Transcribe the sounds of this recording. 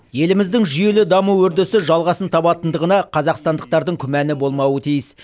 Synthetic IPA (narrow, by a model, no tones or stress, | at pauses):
je̞lɪmɪzd̪ɪŋʒʏje̞lɪd̪ɑmuwɵɾd̪ɪsɪʒɑlˠʁɑsənt̪ʰɑpɑt̪ənd̪əʁənɑqʰɑzɑqst̪ɑnd̪əq̚t̪ɑɾd̪əɴkʲʰʏmænɪbo̞lˠmɑwət̪ʰijɪs